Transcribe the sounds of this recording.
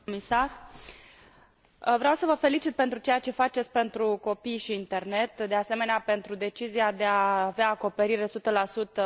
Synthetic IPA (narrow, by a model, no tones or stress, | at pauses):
misar | vɾeawsəvəfe̞lit͡ʃit̪̚pe̞nt̪ɾut͡ʃe̞jat͡ʃe̞fat͡ʃe̞t̪sʲpe̞nt̪ɾuko̞pijʃiːnt̪e̞rne̞t̪d̪e̞ase̞me̞neape̞nt̪ɾud̪e̞t͡ʃiziad̪e̞aːveaːko̞pe̞ɾiɾe̞sut̪əlasut̪ə